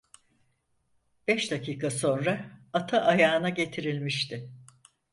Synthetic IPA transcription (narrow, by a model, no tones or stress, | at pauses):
b̥ɛʃd̪acʰiːkʰaso̞nɾaat̪ʰaʔajaːnaɟe̞t̪ʰiɾilʲmiʃt̪ʰɪ